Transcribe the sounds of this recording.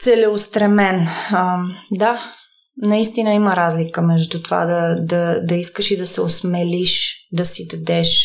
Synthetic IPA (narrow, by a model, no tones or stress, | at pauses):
t̪sɛlɛost̪ɾɛmɛnəd̪a | nɐist̪inəiməɾazlikəmɛʒd̪ut̪ova̰d̪ɐd̪ɐd̪ɐiskəʃid̪ɐsɛosmɛliʃd̪ɐsid̪ɐd̪ɛʃ